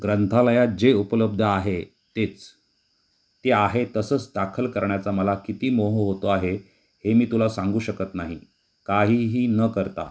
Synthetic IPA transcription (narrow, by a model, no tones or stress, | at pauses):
ɡɾənt̪ʰaləjad͡ʑeupələb̚d̪ʱəaɦe | t̪et͡s | t̪eaɦet̪əsəːt͡sd̪akʰəlkəɾɳjat͡saməlakit̪iːmoɦoɦot̪oaɦe | hemiːt̪ulasãŋɡuːɕəkət̪naɦḭ | kaɦiːɦiːnəkəɾt̪a̰